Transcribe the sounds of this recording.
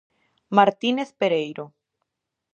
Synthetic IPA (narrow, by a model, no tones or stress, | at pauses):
maɾt̪ineθpeɾejɾo